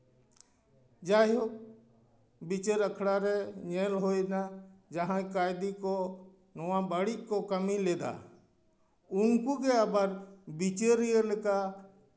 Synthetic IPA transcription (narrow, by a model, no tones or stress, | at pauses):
d͡ʒaːɦjo | bɪt͡ʃəɾəkʰɽaɾɛɲeːlɦoːinad͡ʒəɦãkaːɪd̪iko | nʊʋãbəɽikːokəmileːd̪a̰ | ʊŋkukeəbəɾbɪt͡ʃeɾijəlka